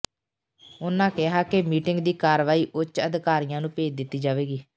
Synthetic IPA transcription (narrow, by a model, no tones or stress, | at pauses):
ʊnãːkɪɦaːkemiːʈɪŋɡd̪iːkaːɾʋaːiːʔʊt͡ʃəd̪kaːɾijãːnũːpeːd͡ʒd̪ɪt̪ːiːd͡ʒaːʋeːɡiː